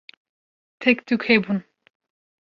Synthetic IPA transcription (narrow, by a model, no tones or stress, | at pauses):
t̪ʰɛkt̪ʰukʰhebun